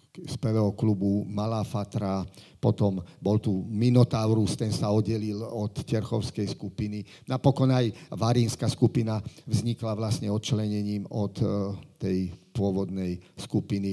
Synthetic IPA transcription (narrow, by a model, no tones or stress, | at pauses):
spɛʋɛːɦɔklubumalaːfat̪ɾa | pɔt̪ɔmbɔlt̪uminɔt̪aʊɾust̪ɛnsaɔd̪ɟɛlilɔt̪cɛɾxɔʊskɛjskupini | napɔkɔnajʋaɾiːnskaskupinaʋzɲiklaʋlasɲɛɔt̪̚t͡ʃlɛɲɛɲiːmɔt̪ːɛjpʊɔʋɔd̪nɛjskupini